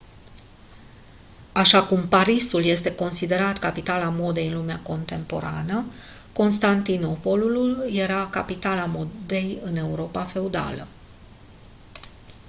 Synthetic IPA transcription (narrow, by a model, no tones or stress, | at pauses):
aʃakumpaɾisulje̞st̪e̞ko̞nsid̪e̞ɾat̪kapit̪alamo̞d̪e̞jɨnlumeako̞nt̪e̞mpo̞̰ɾanə | ko̞nst̪ant̪ino̞po̞lululje̞ɾakapit̪alamo̞d̪e̞jɨne̞uɾo̞pafe̞ud̪a̰lə̰